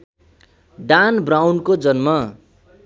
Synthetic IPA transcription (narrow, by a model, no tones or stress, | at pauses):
ɖanbrawnkod͡zʌnmʌ